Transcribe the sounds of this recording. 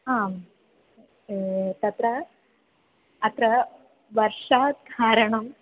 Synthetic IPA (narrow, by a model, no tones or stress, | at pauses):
ɦaːm | t̪ɐt̪ɾɐ | ɐt̪ɾɐ | ʋɐɾʂaːt̪ɡʱaːɾɐɳɐm